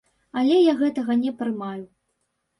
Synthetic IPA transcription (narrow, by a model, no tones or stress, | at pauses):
alʲɛjaɣɛt̪ɐɣɐnʲɛpɾɨmaju